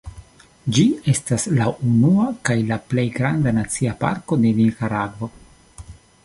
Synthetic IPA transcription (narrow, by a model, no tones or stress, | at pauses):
d͡ʒie̞staslaʔunuakajlaple̞jɡɾandanat͡siapa̰ɾko̞de̞nikaɾaɡvo̞